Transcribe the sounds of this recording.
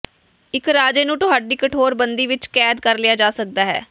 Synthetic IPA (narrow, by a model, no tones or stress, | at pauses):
ɪkɾaːd͡ʒeːnũːt̪ʊɦaːɖiːkəʈʰoːɾbənd̪iːʋɪt͡ʃkɛːd̪kəɾlɪaːd͡ʒaːsək̚d̪aːɦɛ̰ː